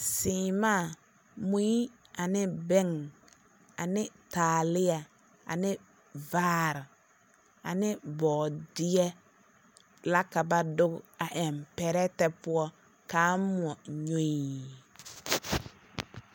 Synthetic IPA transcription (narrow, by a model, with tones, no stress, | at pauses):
sɪː˨maː˦˨ | mu˦i˦ | a˨nɪ˦bɛ˦ŋ | a˨nɪ˦taː˨lɪ˦a˨ | a̰˨nɪ˦ | vaː˦ɾɪ˨ | a˨nɪ˦bɔː˨dɪ˦ɛ˦ | la˦ka˨ba˨dʊ˦ɡa˨ʔɛ˨mpɛ˨ɾɛ˦tɛ˦pʊ˦ɔ˦ | kaː˨˦mu˨ɔ˨ɲo˦i˨